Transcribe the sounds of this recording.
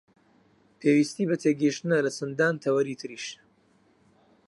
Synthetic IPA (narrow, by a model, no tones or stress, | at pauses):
pʰeːwiːst̪iːbɐt̪ʰeːɡəʃt̪ɨnɐlɐsɨnd̪aːnt̪ʰɐwɐɾiːt̪ʰɨɾiʃ